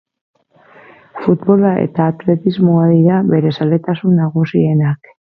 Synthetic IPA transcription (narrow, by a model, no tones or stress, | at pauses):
fut̪bo̞laʔe̞̰t̪aːt̪le̞t̪izmoaðiɾaβe̞ɾe̞sale̞t̪asunːaɣusie̞nak